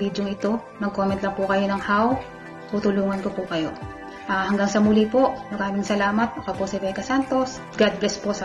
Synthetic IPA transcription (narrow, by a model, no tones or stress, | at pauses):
id̪joŋɪt̪o̞ | nɐɡ̚komɛnt̪lɐŋpʊkɐjo̞nɐŋhaw | t̪uːt̪ʊluːŋɐnkopʊkɐjo̞ | ʔaːhɐŋɡaŋsɐmʊlipomɐɾaːmɪŋsɐlaːmɐt̪̚mɐkaposɪvɛjkɐsant̪o̞s | ɡad̪̚blɛsposɐ